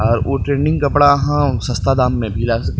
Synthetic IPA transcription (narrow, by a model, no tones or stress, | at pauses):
ɔːɾʔoʈɾeːnɪ̃ŋɡkɐpɽaɐɦãsɐ̃st̪ad̪aːmːẽbʱilaːsɐkː